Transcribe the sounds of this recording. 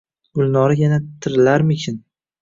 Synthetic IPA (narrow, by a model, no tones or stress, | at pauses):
ɡ̥ʊlˠnɒɾajanat̪ʰɪɾɪlaɾmɪkʲʰɪn